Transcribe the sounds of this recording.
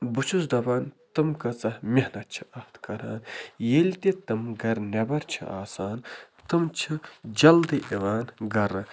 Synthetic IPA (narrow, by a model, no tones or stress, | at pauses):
but͡ʃʰus̬d̪ɐbaːnt̪ɨmkɐt͡sɐhmʲihnɐt͡ʃʰi̥ɐht̪ʰkɐɾaːnjeːlʲt̪et̪ɨmɡɐɾnʲɐbɐɾt͡ʃʰḭaːsaːn | t̪ɨmt͡ʃʰɨd͡ʒɐld̪ɨʔeʋaːnɡɐɾɐ